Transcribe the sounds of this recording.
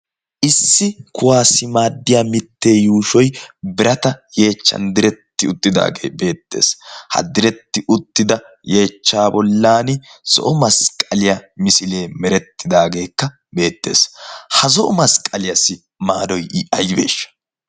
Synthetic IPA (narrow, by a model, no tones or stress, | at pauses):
ʔɪsːɪkʊwaːsɪmaːd̪ːɪjaːmɪt̪ːe̞ːjuːʃɔjbɪɾɐt̪ɐje̞ːt͡ʃːɐ̰nd̪ɪɾɛt̪ːɪʊt̪ːɪd̪a̰ːɡḛːbe̞ːt̪ːe̞̰ːshɐ̰d̪ɪɾɛt̪ːɪʔʊt̪ːɪd̪ɐ | je̞ːt͡ʃːaːbɔlːaːnɪsɔ̰ʔɔmɐskʼɐlɪjɐmɪsɪle̞ːmɛɾɛt̪ːɪd̪aːɡe̞ːkːɐ | be̞ːt̪ːe̞̰ːshɐzɔʔɔmɐskʼɐlɪjɐsːɪ | maːd̪ɔjʔɪʔɐjɪbe̞̰ːʃːɐ̥